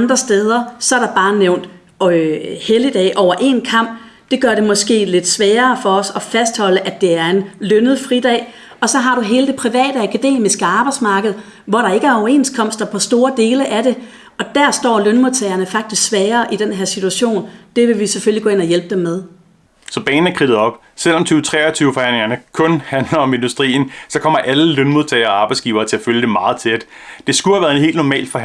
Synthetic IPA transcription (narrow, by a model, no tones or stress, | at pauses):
nd̥ʁɐsd̥eːð̞ˠɐsɒ̽æɐɾ̥ɑ̈b̥ɑ̈ːneʊn̰d̥ | helid̥ɛ̰ːʔɒʊɐʔe̝̰nkʰɑ̈m̰b̥̚ | d̥e̝ɡ̥ɶɐɾe̝mɒ̽sɡ̥e̝̰ːle̝d̥sʋɛːɐːfɒ̽ɒ̽sɒ̽fæsd̥hɒ̽l̰əʔæd̥e̝æɐe̝nlønð̞̩ˠfʁid̥ɛ̰ː | ɒ̽sɒ̽ɦɑ̈ɾ̥uɦe̝ːləd̥e̝pʰʁiʋɛ̰ːɾ̥əækʰæd̥e̝̰ːmisɡ̥əɑ̈ːb̥ɑ̈ɪd̥smɑ̈ːɡ̥əð̞̩ˠ | ʋɒɾɑ̈e̝ɡ̥əæɐɒʊɐe̝̰nskʰɒ̽m̰sd̥ɐpʰɒ̽sd̥o̝ːɐd̥e̝ːləʔæɾe̝ | ɒ̽d̥æɐsd̥ɒ̰ːlønmoð̰ˠt͡sʰɛɪɐnəfɑ̈ɡ̥̚d̥isɡ̥sʋɛːɐːʔid̥enɦeɐ̰sit͡sʰuæɕo̝̰ːnd̥e̝ʋe̝ʋiseføliɡɔ̽ːe̝nɒjelb̥əd̥emːeð̞ˠ | sɒ̽b̥ɛ̰ːn̩æɐkʰʁið̥ð̩ˠɒ̽b̥ | sel̰ɒ̽mt͡sʰyːʊt͡sʰʁɛ̰ːɒt͡sʰyːʊəfɒ̽hæn̰leŋɐnəkʰɔ̽nhænlɐɒ̽me̝nd̥usd̥ʁḭːn̩sɒ̽kʰɒ̽m̰ɐʔæləlønmuðˠt͡sʰɛɪɐːɑ̈ːb̥ɑ̈ɪdsɡ̥ḭːʊɐːt͡sʰe̝æføljəd̥emɑ̈ːð̩ˠt͡sʰed̥ | d̥e̝sɡ̥uhæʋæɐðˠeɦe̝ːld̥nɒmɛ̰ːlfɒ